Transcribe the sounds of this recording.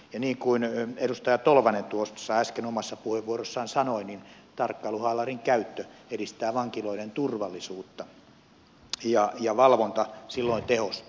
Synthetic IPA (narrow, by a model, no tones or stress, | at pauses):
jɑniːŋkuinedust̪ɑjɑt̪olʋɑnent̪uossːɑæskenomɑsːɑpuheʋːuorosːɑːnsɑnoinin | t̪ɑrkːɑluhɑlɑriŋkæyt̪ːøedist̪æːʋɑŋkiloiɾent̪urʋɑlːˑisuːt̪ːɑ | jɑjɑʋɑlʋont̪ɑsilːoint̪ehos